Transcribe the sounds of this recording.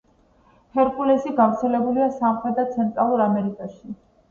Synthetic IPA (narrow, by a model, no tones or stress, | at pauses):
hɛɾkʼulɛsiɡavɾt̪sʰɛlɛbuliasamχɾɛd̪at̪sʰɛnt̪ʼɾalˠuɾamɛɾikʼaʃi